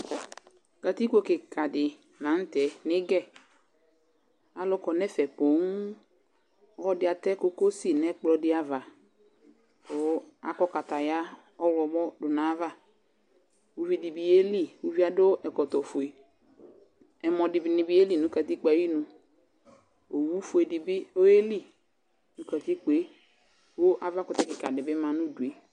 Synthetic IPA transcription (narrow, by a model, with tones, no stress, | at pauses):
ka˨ti˦ko˦kɪ˨ka˨dɪ˨ | nã˨˦n̩˦tɛ˨˦nɪ˦ɡɛ˦˨ | a˨lʊ˦kɔ˨nɛ˦fɛ˨po˨˦ŋ | ɔ˦ɔ˦dɪ˨˦a˨tɛ˦ko˦ko˦si˨nɛ˦k͡plɔ˨dɪ˦a˨va˨ | kʊ˨˦a˨kɔ˦ka˨ta˨ja˦ | ɔ˦wɾɔ˨bɔ˦dʊ˨na˨˦va˦˨ | wu˦vi˨di˨bi˨e˦li˦wu˦vi˦a˦do˦ɛ˨kɔ˨tɔ˨fo˨e˨ | ɛ˨mɔ˨dɪ˨bi˨nɪ˨bi˦e˦li˦˨nũ˨˦ka˨ti˦k͡pa˨˦i˦nũ˨ | o˨wu˦fo˨e˨di˨bɪ˦o˦e˦li˦˨ | nũ˦ka˨ti˦k͡pe˨˦ | wo˦ʔa˨va˦kʊ˨tɛ˦kɪ˨ka˨dɪ˨bɪ˦mã˨nu˦du˨e˨